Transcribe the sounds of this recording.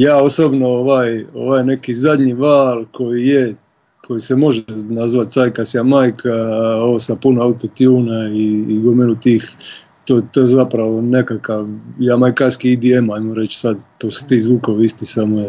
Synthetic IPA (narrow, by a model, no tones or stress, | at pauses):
jaːo̞sobnooʋaːjo̞̰ʋaːjne̞kizad̪ɲiʋaːlko̞jije | kʰo̞jisemo̞ʒenazʋat̪sajkasjamajkʰaoosapunoawt̪ot̪juːnaiːɡomelut̪iːx | t̪ot̪ojezapɾaʋo̞ne̞kakaʋjaːmajkaskiid̪iemajmoɾe̞t͡ʃsad̪t̪ːoːsu̥t̪iːzʋuːkoʋiist̪isamoja